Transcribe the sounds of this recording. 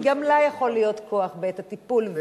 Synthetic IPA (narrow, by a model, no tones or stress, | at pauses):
ɡamlajaχo̞lijo̞t̪kʰoaχbeet̪hat̪ipulv